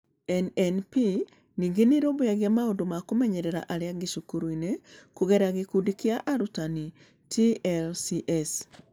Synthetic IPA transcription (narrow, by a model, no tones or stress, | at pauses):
ɛnɛnpi | niŋɡeniɾoːβujaɣjamaondomakomɛɲɛɾeɾa̰ʔaɾeaɡiʃukuɾuinekuɣeɾaɣekudikiaʔaɾutani | tʰiɛlsiʔɛs